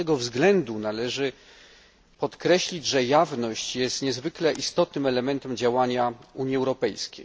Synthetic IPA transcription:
ɛɡɔvzɡlɛnd̪unalɛʐɘ | pɔt̪kɾɛɕlʲid͡ʑʐɛjavnɔɕt͡ɕjɛst̪ɲɛzvɘklɛʔist̪ɔt̪nɘmɛlɛmɛnt̪ɛmd͡ʑawaɲauɲjiɛwɾɔpɛjskʲḛj

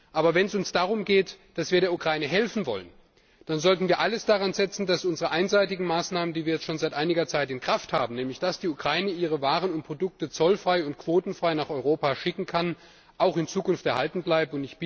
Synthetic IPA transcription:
ʔaːbɐvɛnɛsʊnsd̥aːʁ̞ʊmɡeːtd̥asv̥iːɐɾeːɐʔukʁ̥aɪnəɦɛlfn̩vɔ̰lən | d̥anzɔltn̩viːɐʔaləsd̥aʁanzɛt͡sn̩dasʔʊnzəʁəʔaɪnzaɪtɪɡŋ̩maːsnaːməndiːviːɐjɛt͡stʃoːnzaɪtʔaɪnɪɡɐt͡saɪtɪnkʁ̥afthaːbm̩nɛːmlɪçd̥asd̥iːukʁ̥aɪnəʔiːʁ̞əvaːʁənʊnt̚pʁ̥odʊk̚tət͡sɔlfʁ̥aɪʊntkv̥oːtn̩fʁ̥aɪnaːχɔʏʁoːpaʃɪkŋ̩kʰan | ʔaʊxɪnt͡suːkʊnftɛɐhɦaltn̩blaɪb̚tʊntɪçb̥ɪ

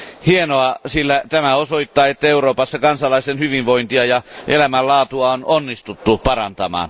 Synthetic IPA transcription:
hienoɑsilːæt̪æmæosoit̪ːɑːet̪ːæeuroːpɑsːɑkɑnsɑlɑist̪enhyʋiʋʋoint̪iɑjɑʔelæmællɑːt̪uɑononːist̪ut̪ːupɑrɑnt̪ɑmɑ̰ːn

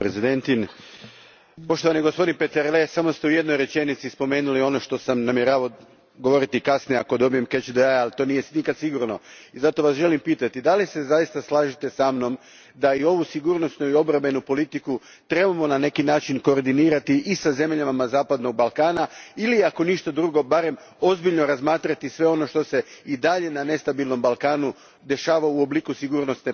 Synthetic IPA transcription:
ɾezid̪ent̪in | po̞ʃt̪oʋaniɡo̞spo̞d̪inpet̪eɾlesamo̞st̪e̞uje̞d̪no̞jɾe̞t͡ʃe̞nit̪sispo̞me̞ːnulio̞no̞ʃt̪o̞samnamjeɾaːʋo | ɡo̞ʋo̞ɾit̪ikasnijeako̞d̪o̞bije̞mket͡ʃd̪eajalt̪o̞ːnije̞snikad̪siɡuɾno̞izat̪o̞ʋasʒe̞limpiːt̪at̪id̪alise̞zajist̪aslˠaːʒit̪e̞samno̞m | d̪aio̞ʋusiɡuɾno̞st̪nuio̞bɾame̞nupo̞lit̪iku | t̪ɾe̞bamo̞nane̞kinaːt͡ʃinko̞ːɾd̪iniːɾat̪iʔːsaze̞mʎamamazaːpad̪no̞ɡ̚balˠkaːnailiako̞niʃt̪ad̪ɾuɡo̞baɾe̞m | o̞zbiʎno̞ɾazmaːt̪ɾat̪isʋe̞o̞no̞ʃt̪o̞se̞id̪aʎe̞nane̞st̪abilˠno̞mbalkaːnu | d̪e̞ʃaːʋauobliːkusiɡuːɾno̞st̪ne

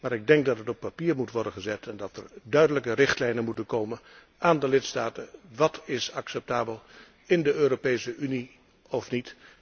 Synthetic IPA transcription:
maːɹɪɡ̚dɛŋk̚dɑtɦətɔpːapiːɹmutʋɔɹdənχəzɛtʰɛndɑtɛ̰rdœɥdələkərɪχtlɛjnənmutənkowmən | ʔaːndəlɪtstaːtəʋɑtʰɪsɑksɛp̚taːbəlˠ | ɪndəøːɾopejsəʔyni | ɔfnit

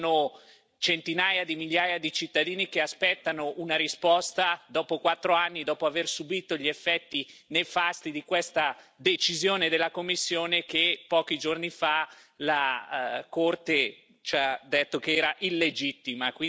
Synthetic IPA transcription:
no | t͡ʃent̪inaːjad̪imiʎːaːjad̪it͡ʃit̪ːad̪iːnikeaspɛt̪ːanoʔunaɾispɔst̪ad̪ɔːpokwat̪ːɾoanːid̪ɔːpoaversubiːt̪oʎiefːɛt̪ːinefast̪id̪ikwest̪ad̪et͡ʃizjoːned̪elːakomːisːjoːnek̟epːɔːkid͡ʒornifalakort̪e | t͡ʃad̪ːet̪ːokeɛːɾaʔilːed͡ʒit̪ːimakwi

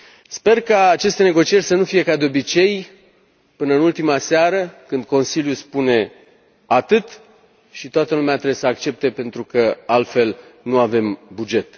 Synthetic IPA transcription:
spe̞rkaːt͡ʃe̞st̪e̞ne̞ɡo̞t͡ʃije̞rʲsənufije̞kad̪eo̞bit͡ʃe̞j | pɨnəɨnult̪imaseaɾəkɨnd̪̚ko̞nsiljuspune̞ | at̪ɨt̪ | ʃit̪oat̪əlumeat̪ɾebjesəakt͡ʃe̞p̚t̪e̞pe̞nt̪ɾukəalt̪fe̞lnuave̞mbud͡ʒe̞t̪

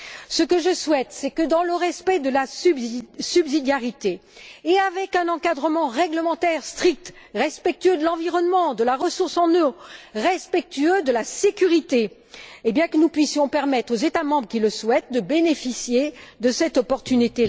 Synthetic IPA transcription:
səkəʒəswɛt̪sɛkəd̪ɑ̃ləʁɛspɛd̪əlassybzid̪jaʁit̪eːavɛkɛ̃nɑ̃kad̪ʁəmɑ̃ʁɛɡləmɑ̃t̪ɛʁst̪χik̚t̪ʁɛspɛk̚t̪yød̪əlɑ̃viʁɔnmɑ̃d̪əlaʁəsuʁsɑ̃nøʁɛspɛk̚t̪yød̪əlasekʲyʁit̪eː | bjɛ̃kənupɥisjɔ̃pɛʁmɛt̪χozet̪amɑ̃bʁəkʲiləswɛt̪̚d̪əbenefisjed̪əsɛt̪ɔpɔʁt̪ynit̪e

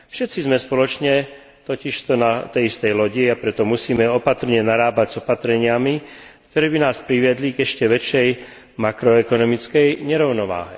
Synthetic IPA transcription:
fʃɛt̪t͡sizmɛspɔlɔt͡ʃɲɛ | t̪ɔciʃt̪ɔnat̪ɛjist̪ɛjlɔɟiapɾɛt̪ɔmusiːmɛɔpat̪r̩ɲɛnaɾaːbaɟz̥ɔpat̪ɾɛɲɪamik̚t̪ɔɾɛːbinaːspɾiʋɪɛd̪liɡɛʃcɛʋɛt͡ʃɛj | makɾɔɛkɔnɔmit͡skɛjɲɛɾɔʊnɔʋa̰ːɦɛ̰

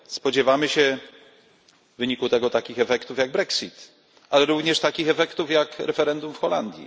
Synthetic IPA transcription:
spɔd͡ʑɛvamɘɕɛ | vːɘɲikut̪ɛɡɔt̪akʲixɛfɛkt̪ufjaɡ̚bɾɛksit̪ | alɛɾuvɲɛʂt̪akʲixɛfɛkt̪ufjakɾɛfɛɾɛnd̪umfxɔla̰nd̪ʲjḭ

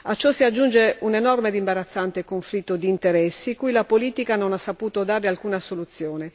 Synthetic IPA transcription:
at͡ʃːɔsːiad͡ʒːund͡ʒeunenɔrmed̪imbaɾat̪sːant̪ekoɱflit̪ːod̪iːnt̪eɾɛsːikujlapoliːt̪ikanonasːapuːt̪od̪aːɾealkuːnasolut̪sːjoːne

